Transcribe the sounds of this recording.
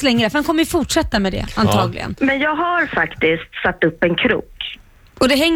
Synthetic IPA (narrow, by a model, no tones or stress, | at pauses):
lɛŋːɾəfœɾɛnkʰɔmːəjʏfʊʈʂɛt̪ːamɛd̪ɛ̰ant̪ʰɑːɡlɪ̰ɡə̰nmɛnjɑːɡhaɾfakt̪ɪskt̪sat̪ːɵpːɛnkʰɾṵːk | ɔd̪ɛɦɛŋː